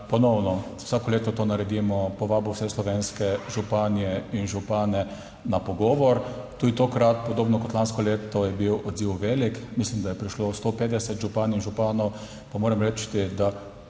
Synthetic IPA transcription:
pɔnɔwnɔwsaːkɔleːt̪ɔt̪oːnaɾɛd̪imɔpɔʋaːbɔwsɛslɔʋeːnskɛʒupaːnijɛinʒupaːnɛ | napɔɡɔːʋɔɾt̪uːd̪it̪okɾat̪̚pɔd̪oːbnɔkɔt̪lanskɔleːt̪ɔjɛbiwɔd̪ziwʋeːlikmislimd̪ajɛpɾiʃlost̪opeːd̪ɛsɛt̪ʒupaːninʒupaːnɔw | pamoːɾɛmɾɛt͡ʃt̪id̪a

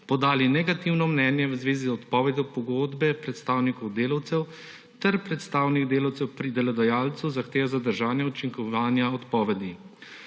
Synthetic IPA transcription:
pɔd̪aːlinɛɡat̪iwnɔmnɛnjɛwzʋeːzizɔt̪pɔːʋɛd̪jɔwpɔɡoːd̪bɛpɾɛt̪st̪aːwnikɔwd̪eːlawt̪sɛw | t̪ɛɾpɾɛt̪st̪aːwniɡd̪eːlawt̪sɛwpɾid̪ɛlɛd̪ɐjaːlt̪suzaxt̪eːʋazad̪əɾʒaːnjɛut͡ʃiŋkɔʋaːnjaɔt̪pɔːʋɛd̪i

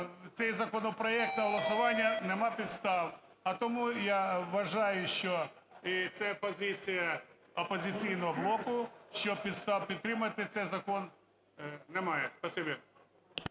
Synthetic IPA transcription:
t̪sɛjzɐkɔnɔpɾɐɛk̚t̪ɐɦɐlˠɐsʊʋanʲjɐnɛmapʲit̪st̪ɑw | ɐt̪ɔmujaʋɐʒajʊʃt͡ʃɔ | it̪sɛpɐzʲit͡sʲɪjɐ | ɐpɔzʲɪt̪sʲijnɔɦɔblˠokʊʃt͡ʃɔpʲit̪st̪awpʲɪd̪t̪ːɾɪmɐt̪ɪt̪sɛjzɐkɔn | nɛmajɛspɐsʲibʲe

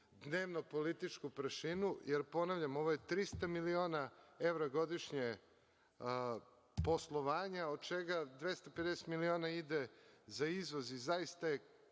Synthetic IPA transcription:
d̪ne̞ːʋnopo̞lit̪it͡ʃkupɾʃinujeɾpo̞naʋʎamo̞ʋojet̪ɾist̪amilio̞ːnae̞ʋɾaɡo̞d̪iʃɲe | po̞slˠo̞ʋaːɲaod̪̚t͡ʃeɡad̪ʋe̞st̪aped̪eset̪milio̞ːnaid̪ezaizʋo̞zizaist̪aje

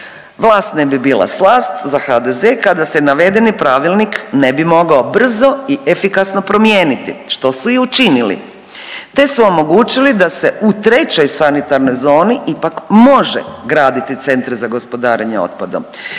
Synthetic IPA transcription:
ʋlˠaːst̪nebibiːlˠa̰slˠaːst̪zaxad̪e̞zekad̪asenaʋe̞d̪enipɾaʋilˠniknebimo̞ɡaobr̩zo̞iʔefikasno̞pɾo̞mjeːnit̪ḭʃt̪o̞suiut͡ʃinilḭ | t̪e̞suo̞mo̞ɡuːt͡ɕilid̪ase̞ut̪ɾe̞t͡ɕo̞jsanit̪aɾno̞jzo̞ːniʔipakmo̞ʒḛɡɾaːd̪it̪it̪se̞nt̪ɾezaɡo̞spo̞d̪aːɾeɲeo̰t̪̚pad̪om

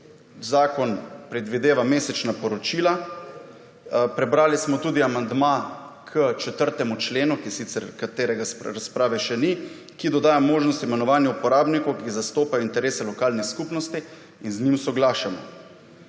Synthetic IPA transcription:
zaːkɔnpɾɛd̪ʋid̪eːʋameːsɛt͡ʃnapɔɾɔt͡ʃiːla | pɾɛbɾaːlismɔt̪uːd̪iamand̪ma | kʰət͡ʃɛt̪əɾt̪ɛmut͡ʃleːnukisit̪sɛɾkat̪eːɾɛɡasɾaspɾaːʋɛʃɛni | kid̪ɔd̪aːjamoːʒnɔst̪imɛnɔʋaːnjaupɔɾaːbnikɔwkizast̪oːpajɔint̪ɛɾeːsɛlɔkaːlnixskupnɔst̪i | inzɲimsɔɡlaːʃamɔ̰

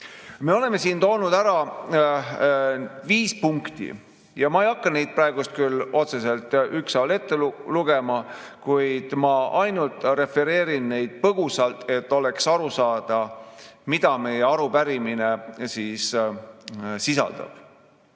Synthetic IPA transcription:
me̞o̞le̞me̞siːnt̪o̞ːnud̪̥æɾɑ | viːspuŋkt̪ḭ | jɑmɑejɑkːɑne̞jd̪̚prɑe̞ɡ̥ust̪̚kylːo̞t̪se̞se̞lt̪yksɑwle̞t̪ːe̞lluɡ̥e̞mɑ | kujd̪̥mɑʔɑjnult̪ˑre̞fe̞ɾe̞ːɾinːe̞jd̪̥̚pɤɡ̥usɑlt̪e̞t̪ːo̞le̞ksɑɾusɑːd̪̥ɑmid̪̥ɑme̞jeɑɾupæɾimine̞siːs | sisɑ̰ld̪̥ɑ̰b̥

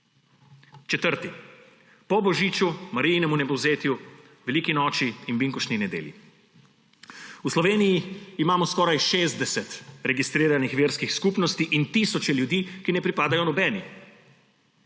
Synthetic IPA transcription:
t͡ʃɛt̪əɾt̪i | pɔbɔʒiːt͡ʃumaɾijnɛmunɛbɔwzeːt̪ju | ʋɛliːkinɔːt͡ʃiːnbiŋkuʃninɛd̪ḛːljḭ | uslɔʋeːnijiːmaːmɔskɔːɾajʃeːzd̪ɛsɛt̪ɾɛɡist̪ɾiːɾanixʋeːɾskixskupnɔst̪iʔint̪iːsɔt͡ʃɛljud̪iːkinɛpɾipaːd̪ajɔnɔbɛːni

